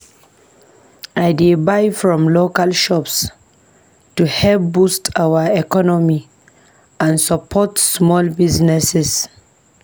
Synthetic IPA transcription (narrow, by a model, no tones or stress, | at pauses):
aɪdebaɪfɹɔ̃mlokalʃɔps | tuhɛlp̚bustʰawəɛkɔnɔmi | ʔãnsapʰɔtsmɔlbiznɛsɛs